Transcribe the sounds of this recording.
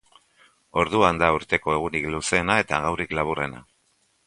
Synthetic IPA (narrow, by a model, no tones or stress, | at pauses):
o̞ɾðuand̪auɾt̪e̞ko̞e̞ɣ̞unikluse̞ːnae̞t̪aɣawriklaβ̞ure̞na̰